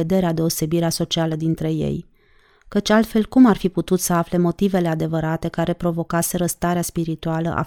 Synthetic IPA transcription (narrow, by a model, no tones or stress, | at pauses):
e̞d̪e̞ɾead̪e̞o̞se̞biɾeaso̞t͡ʃialəd̪int̪ɾe̞je̞̰j | kət͡ʃʲalt̪fe̞lkumarfiput̪ut̪səafle̞mo̞t̪ive̞le̞ad̪e̞vəɾat̪e̞kaɾe̞pɾo̞vo̞kase̞ɾəst̪aɾeaspiɾit̪ualə̰ʔa̰